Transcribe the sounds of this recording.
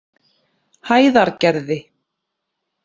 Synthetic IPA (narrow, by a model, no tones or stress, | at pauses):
haːjðaɾcɛɾðɪ